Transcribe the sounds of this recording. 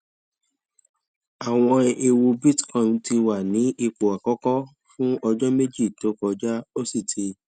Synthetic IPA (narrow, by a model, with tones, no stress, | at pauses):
a˨w̃ɔ̃˧e˧wo˧bi˦tkɔ̃˦˨n˨ti˧wa˨nĩ˨˦ʔi˧k͡po˨a˨kɔ˦kɔ˦ | fũ˦ɔ˧d͡ʒɔ˦me˦d͡ʒi˦˨to˨˦kɔ˧d͡ʒa˦o˦si˦˨tʰi˧